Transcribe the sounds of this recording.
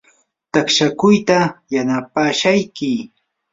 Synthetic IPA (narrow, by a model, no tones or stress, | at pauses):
t̪akʃakʊjt̪ajanapaːʃajkɪ